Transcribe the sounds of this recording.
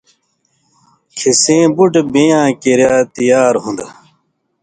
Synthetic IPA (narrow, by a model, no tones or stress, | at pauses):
kʰisẽːbuʈbĩjãːkeɾjaːt̪ijaːɾɦũnd̪